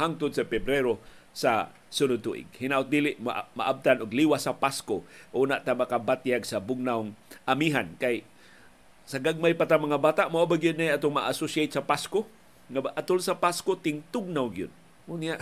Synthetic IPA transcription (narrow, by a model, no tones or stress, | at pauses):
haŋt̪ʊd̪̚sapɛbɾeɾo | sa̰ | sʊnʊd̪̚t̪uʔɪ̰ɡ̚hinaʔʊt̪̚d̪ilɪʔmma̰ʔab̚t̪anʊɡliwasapaskoʔunaʔt̪amakabat̪jaɡsabʊɡnawŋʔamiɦankaj | saɡaɡ̚majpat̪amaŋabaːt̪aʔmoʔabaɡijʊd̪najat̪ʊŋmaʔasʊsajt̪sapasko | ŋaʔat̪ʊlsapaskot̪ɪŋt̪ʊɡ̚nawɡijʊd̪̚ | ʊnjaʔ